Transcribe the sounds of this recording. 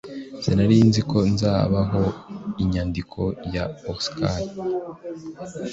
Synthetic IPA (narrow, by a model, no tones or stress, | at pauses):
senaɾinzikʰo̞nzaːβaɦo̞iɲaːndikʰo̞jaoskʰali